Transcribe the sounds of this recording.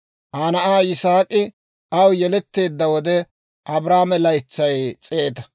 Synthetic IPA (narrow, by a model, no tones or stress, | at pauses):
ʔaːnɐʔaːɪsaːkʼɪ | ɐwjɛlɛt̪ːe̞ːd̪ːɐwɔd̪ɛ | ʔɐbɾaːmɛlɐjt͡sːɐjt͡sʼe̞ːt̪ɐ̥